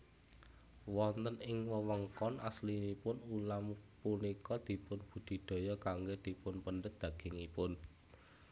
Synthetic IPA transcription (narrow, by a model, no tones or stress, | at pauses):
wɔnt̪ənɪŋwəwəŋkɔnʔaslinipʊnulampunikɔd̪̥i̤pʊnb̥ṳd̪̥i̤d̪̥o̤jɔkaŋɡod̪̥i̤pʊnpənɖət̪̚d̪̥ä̤ɡ̥ɪ̤ŋipʊn